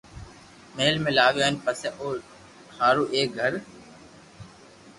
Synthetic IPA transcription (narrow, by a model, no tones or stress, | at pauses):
meːlmẽːlaːʋeenpəseʔoː | haːɾuːʔeːk̚ɡʱəɾ